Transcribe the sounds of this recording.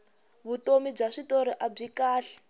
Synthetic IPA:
βutomib͡ʐaʂitoɾiʔab͡ʐikaːɬɛ̥

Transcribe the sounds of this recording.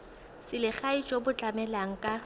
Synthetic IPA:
sɪlɪχait͡ʃʼobʊt͡ɬʼamɛlaŋ̩kʼa

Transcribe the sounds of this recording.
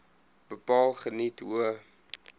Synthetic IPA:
b̥əpɑːlˠχənituə

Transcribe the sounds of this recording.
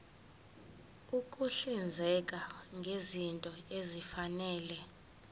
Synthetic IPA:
ukʼuɬind͡zʱɛkʼaŋɡʱezintʼɔezifanɛːlɛ

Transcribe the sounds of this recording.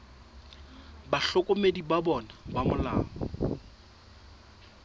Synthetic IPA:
baɬɔkʼomedibabɔnabamʊla̰ːŋɔ̰

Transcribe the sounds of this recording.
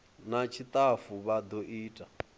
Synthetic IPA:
nat͡ʃʰit̪ʼafuβad̪oʔiːtʼa

